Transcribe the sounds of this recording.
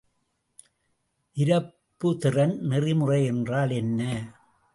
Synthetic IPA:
ʔɪɾɐpːɯt̪ɪrɐnnɪrɪmɯrɐɪɛndraːlɛnːɐ

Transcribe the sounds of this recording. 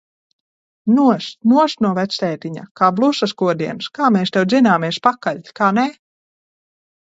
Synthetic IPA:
nuɔsnuɔsnuɔvɛt̪sʲt̪ɛːt̪iɲa̰kaːblˠusaskuɔd̪iɛnskaːmeːst̪ɛw̪zinaːmiɛspakaʎʲkaːnɛ

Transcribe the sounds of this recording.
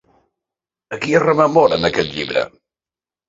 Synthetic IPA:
əkiərəməmɔɾənəkɛt̪ʎiβɾə̰

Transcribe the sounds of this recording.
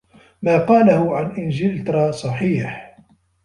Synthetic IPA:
maːqɑːlahʊʕanʔɪnʒɪlt̪ɾˤɑsˤɑħiːħ

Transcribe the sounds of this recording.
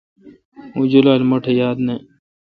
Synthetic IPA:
ũd͡ʑulaːlmoʈʰejaːd̪ne

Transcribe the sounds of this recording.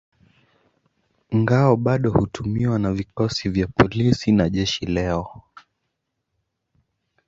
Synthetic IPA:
iŋɡaɔɓaɗɔhutʰumiwanavikɔsivjapɔlisinaʄɛʃilɛɔ

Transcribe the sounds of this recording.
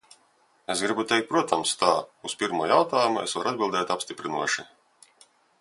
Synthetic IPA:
esɡɾibut̪ɛjk̪̚pɾuɔt̪ʰamst̪aːuspʲiɾmuɔjawt̪aːjumuḛsvaɾad̪̚bʲilˠd̪ɛːt̪apst̪ʲipɾinṵɔʃi

